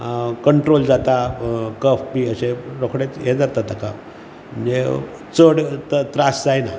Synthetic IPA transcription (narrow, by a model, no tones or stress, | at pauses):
kəɳʈɾold͡zat̪akəfpiːəɕeɾokʰɽet͡sjed͡zat̪at̪aka̰ | m̤əɳd͡ze | t͡səɽt̪t̪ɾasd͡zajna